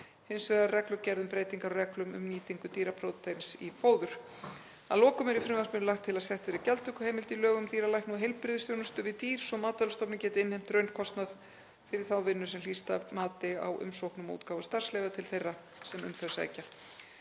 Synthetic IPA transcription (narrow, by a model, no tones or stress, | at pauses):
hɪnsveðarrɛklʏɾcɛɾðʏmpɾeːjt̪iŋkaɾɔrɛklʏmʏ̰mniːt̪iŋkʏt̪iːɾapʰɾowt̪ensḭpoːwðʏɾ̥ | a̰ðlɔːkʏmɛɾifɾɪmvar̥pɪnʏlaxt̪ʰːɪlaðsɛht̪vɛɾɪcɛlt̪ʰʏhkʏ̥heːjmɪlt̪ɪlœːɣʏmt̪iːɾalajhknuɦejlpɾɪðɪsjownʏst̪ʏvɪðt̪iːɾ̥sɔmaːt̪alst̪ɔpnɪmcɛːt̪ɪɪnhejm̥t̪ɾœɥnkʰɔst̪nað | fɪɾɪ̥θawvɪnːʏsɛmliːst̪amaːt̪ɪa̰wʔʏ̰msowhknʏmṵːt̪kaːwvʏst̪ar̥slejvat̪ʰɪlθejra | sɛmʏ̰mθœsa̰jca